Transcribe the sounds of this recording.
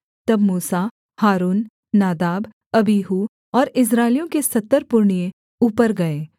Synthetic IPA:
t̪ɐbmuːsa | haːɾuːnː | aːd̪aːb | ɐbiːɦu | ɔːɾɪs̬ɾaːɪlijõkesɐt̪ːəɾpʊɾɳijẽ | uːpəɾɡɐeː

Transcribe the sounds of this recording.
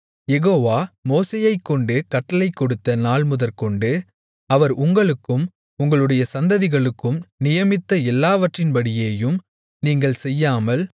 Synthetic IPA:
jɛɣoːʋaːmoːseːjɐɪkːɔɳɖɯkɐʈːɐlɐɪkːɔɽɯt̪ːɐnaːɭmʊðɐɾkɔɳɖɯ | ɐʋɐɾʊŋɡɐɭɯkːɯm | ʊŋɡɐɭɯɽɐjɐsɐnd̪ɐðɪɣɐɭɯkːɯmnɪjɐmɪt̪ːɐɛlːaːʋɐʈrɪnbɐɽɪjeːjɯm | niːŋɡɐɭsɛjːaːmɐl

